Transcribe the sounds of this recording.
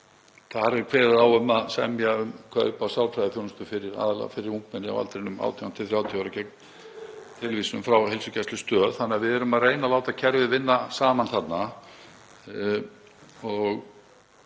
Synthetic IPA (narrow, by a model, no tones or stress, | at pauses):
θaɾɛɾkʰvɛːɾaɾawœmaðsɛmjaʏmkʰvaʏpawsjaw̪t̪ʰɾajðɪθjɔwnʏst̪ʏfɪɾɪɾa̰ːðala̰ɣ̰fɪɾɪɾuŋkmɛnɪa̰wa̰t̪ɾenʏma̰ːwt̪ʰɛant̪ʰɪlθɾjaːwt̪ʰiaɾacɛk̚n | t̪ʰɪlviːsɪnʏmfɾawhelsʏcʰɛst̪lʏst̪œːðθanːɪːavɪðɛɾʏmaðreːjnalaːwt̪aðcʰɛɾvɪðvɪnːasaːmanθat̪na | ɔɣ